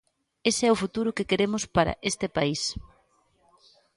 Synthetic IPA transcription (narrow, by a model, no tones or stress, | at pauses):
esɪɛʊfut̪uɾʊkekeɾemʊspaɾɐ̰ʔest̪ɪpais